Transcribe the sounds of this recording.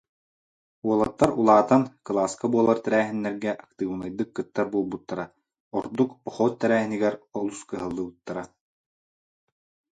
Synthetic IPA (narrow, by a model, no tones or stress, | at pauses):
uɔlˠat̪ːaɾulˠaːt̪ankɯlˠaːskabuɔlˠaɾt̪ɛɾæːɦinːɛɾɡɛʔak̚t̪ɯːvnajd̪ɯkːɯt̪ːaɾbuɔlˠbut̪ːaɾa | ɔɾd̪ukɔχɔːtt̪ːɛɾæːɦiniɡɛɾɔlˠuskɯɦɯlˠːɯːbɯt̪ːaɾa